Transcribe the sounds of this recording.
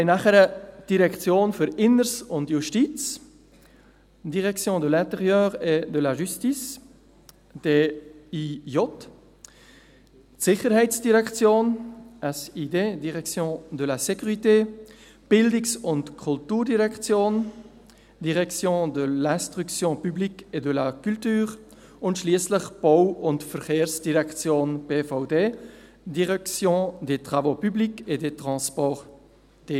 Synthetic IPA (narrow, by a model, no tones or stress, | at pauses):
naχɛɾəd̥iɾɛkt͡sjoːnfyɾɪnəɾsʊntjuʃtiːt͡s | d̥iʁɛkt͡sjõːd̪əlɛ̃t̪ɛʁjœːʁɛdəlaʒystis | d̥eːijɔt | tsɪχəɾhɛɪt͡sd̥iʁɛkt͡sjoːnasideːdiʁɛkt͡sjõːd̪əlasɛkʰyʁiteː | b̥ɪldɪksʊntkʰʊltuːɾdiʁɛkt͡sjoːn | diʁɛkt͡sjõːdəlɛ̃stʁykt͡sjõːpyblikedəlakyltyːʁ | ʊntʃliəsləχb̥aʊʊntfəɾxeːɾsd̥iʁɛkt͡sjoːnpeːfaʊdeː | diʁɛkt͡sjõːdetʁ̥avoːpyblikedetʁɑ̃spɔʁ | d̥eː